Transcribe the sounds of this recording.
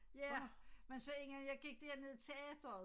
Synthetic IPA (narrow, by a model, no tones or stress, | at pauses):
jæmensɒ̽e̝ŋænjɑ̈ɪɡ̥iɡ̥̚d̥æɐne̝ð̞̰ˠt͡sʰe̝ɛð̥ɐ